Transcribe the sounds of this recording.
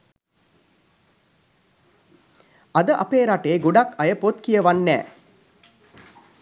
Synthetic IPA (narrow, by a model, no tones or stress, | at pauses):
ɐd̪əʔɐ̰peːɾaʈeːɡuɖakʰɐjəpot̪kijəʋanːæ̰ː